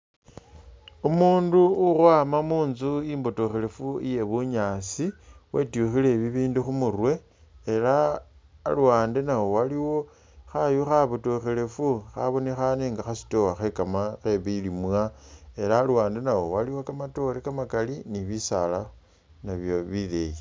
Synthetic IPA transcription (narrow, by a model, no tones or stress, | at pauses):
umuːnduurwaːmamuːnzuimbotoxele̞fuije̞βuɲaːsiwetuxile̞βiβiːnduxumurwe̞ː | la̰ː | luwaːnde̞nawo̞waliwo̞ | xajuxaβotoxele̞fuxa̰βo̞nexaneŋɡaxasi̥towaxekamaxeβilimwae̞laːluwaːndenawo̞waliwokamato̞lekamakaliniβisala | naβjoβilḛji